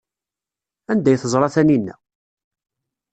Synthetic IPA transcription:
ænd̪æjθəzˤɾˤɑθæninːæ̰

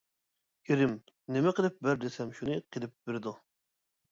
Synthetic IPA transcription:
iɾɪm | nɪmɛqəlˠɪp̚bæɾd̪ɪsɛmʃunɨqʰelˠɪp̚b̥eɾɪd̪u

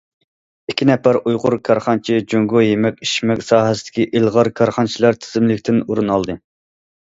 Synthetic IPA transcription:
ikʲʰːinɛpæɾujʁʊɾkʰɑɾχɑnt͡ʃʰid͡ʒøŋɡʊjemɛkʲiʃmɛkʲsɑːɦɛsɪd̪̥ɪ̥kʲiʔilˠʁɑɾkʰɑɾχɑnt͡ʃʰilɑɾt̪ʰɪ̥zɪmlɪkʲt̪ʰɪnuɾunɑlˠd̪ɨ

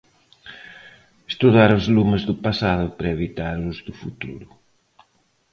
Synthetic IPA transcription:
est̪uðaɾʊzlumezðʊpasaðʊpɾɐeβit̪aɾʊzðʊfut̪ṵɾʊ

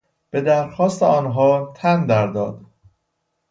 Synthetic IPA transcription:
b̥e̞d̪æɾxɒːst̪eɒːnɦɒːt̪ʰænd̪æɾd̪ɒ̰ːd̪

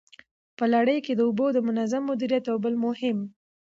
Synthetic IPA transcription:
pəlaɽəjked̪əubod̪əmʊnazamːʊd̪iɾijat̪awbəlmʊhɪm

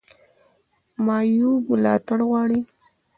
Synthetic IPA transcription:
mɑjublɑ̰t̪aɽɣwɑɽi

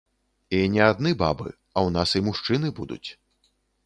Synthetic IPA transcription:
inʲɛad̪nɨba̰bɨ̰ | ɐwnasimuʂt͡ʂɨnɨbud̪ṵt͡sʲ

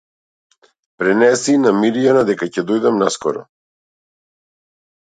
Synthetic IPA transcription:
pɾɛnɛsinamiɾijanad̪ɛkacɛd̪ɔjd̪amnaskɔɾɔ̰

